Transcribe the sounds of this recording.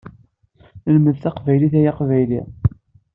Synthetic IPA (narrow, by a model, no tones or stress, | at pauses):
əlməðθæqvæjliθæjaqvæjli